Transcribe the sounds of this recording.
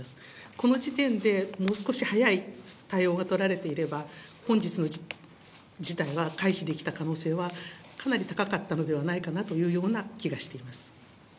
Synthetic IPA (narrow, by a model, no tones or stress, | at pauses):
sɨ̥ | ko̞no̞d͡ʑit̪ẽ̞nd̪e̞mo̞ːsɨ̥ko̞ɕihajait̪aio̞ːɡat̪o̞ɾaɾe̞t̪e̞iɾe̞bahõ̞ɲ̟d͡ʑit͡sɨno̞ | d͡ʑit̪aiβakaiçid̪e̞kʲi̥t̪akano̞ːse̞ːβakʰanaɾʲit̪akakat̪ːano̞d̪e̞β̞anaikanat̪o̞jɯ̟ːjo̞ːnakʲiɡaɕi̥t̪e̞imasɨ̥